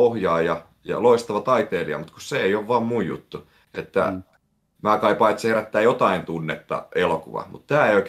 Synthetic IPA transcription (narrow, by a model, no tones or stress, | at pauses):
ohjɑːjɑ | jɑ̰loist̪ɑʋɑt̪ɑit̪eːliɑ̰mut̪kusseeijoʋʋɑːmmujjṵt̪ːu | et̪ːæ̰ | mæːkɑipɑit̪sheræt̪ːæːjot̪ɑint̪unːet̪ːɑ̰ʔelokuʋɑ̰mṵt̪t̪æːeioik